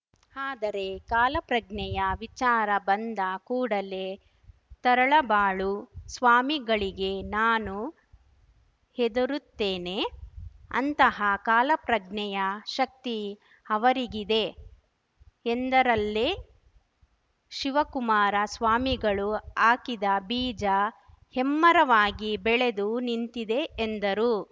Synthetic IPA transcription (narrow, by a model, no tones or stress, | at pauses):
aːd̪ɐɾe̞kaːlɐpɾɐɡɳɛjɐʋit͡ʃaːɾɐbɐnd̪ɐkuːɽɐle̞ | t̪ɐɾɐɭɐbaːɭusʋaːmiɡɐɭiɡe̞naːnu | hed̪ɐɾut̪ːeːne̞ | ɐ̰nt̪ɐɦɐkaːlɐpɾɐɡɳɛjɐʃɐk̚t̪i | ɐʋɐɾiɡid̪e̞ | end̪ɐɾɐlːe | ʃiʋɐkumaːɾɐsʋaːmiɡɐɭuaːkid̪ɐbiːd͡ʒɐ | hemːɐɾɐʋaːɡibɛɭed̪unint̪id̪e̞ːnd̪ɐɾu